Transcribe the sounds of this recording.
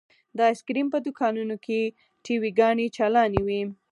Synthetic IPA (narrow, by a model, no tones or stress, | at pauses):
d̪ɑɪskɾimpəd̪ʊkɑnunokʰe | ʈʰiwiɡɑɳet͡ʃalɑnewi